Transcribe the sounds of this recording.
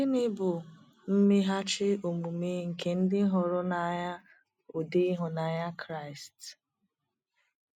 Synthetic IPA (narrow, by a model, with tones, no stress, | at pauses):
ɪ˦nɪ˦bʊ˨ | m̩˦mɪ˦ɦa˦t͡ʃɪ˦o˨mu˨me˦ŋ̩˨ke˨n̩˦dɪ˦ɦɔ˨ɾʊ˦na˨ɲa˦ | o˨de˦ɦʊ˨na˨ɲa˦kɾa˦ɪ˨st